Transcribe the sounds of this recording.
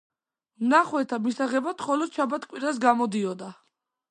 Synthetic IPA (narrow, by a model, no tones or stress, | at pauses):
mnaχwɛt̪ʰamisaʁɛbat̪χɔlɔd̪̥ʃʰabat̪ʰkʼwiɾas̬ɡamɔd̪iɔd̪a